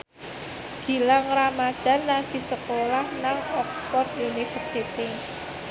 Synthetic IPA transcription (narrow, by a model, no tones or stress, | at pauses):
ɡ̥i̤laŋramad̪̥a̤nːaɡ̥i̤səkolahnaŋɔksfɔrd̪junifərsit̪i